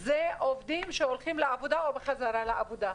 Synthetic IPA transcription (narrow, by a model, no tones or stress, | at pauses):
zeʔo̞vd̪imʃeolχimleavod̪aobeχazaɾalaʔavod̪a